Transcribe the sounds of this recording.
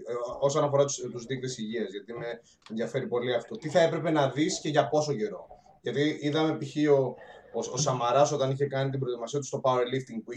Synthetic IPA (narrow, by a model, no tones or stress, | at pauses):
o̞sɐnɐfo̞ɾɐt̪ut̪uzðikt̪esiʝiɐzʝɐt̪ime | enðiɐfe̞ɾipo̞liɐft̪o̞t̪iθɐe̞pɾe̞pe̞nɐðisce̞ʝɐpo̞soce̞ɾo̞̰ | ʝɐt̪iiðɐme̞piçio̞ososɐmɐɾɐso̞t̪ɐniçe̞kɐnit̪ibɾo̞t̪imɐsiɐt̪u̥st̪o̞pɐoɾelift̪iŋɡ̚pui